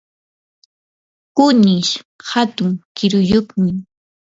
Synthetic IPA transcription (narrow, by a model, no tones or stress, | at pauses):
kʊnɪʃhat̪ʊŋkɪɾʊjoχmɪ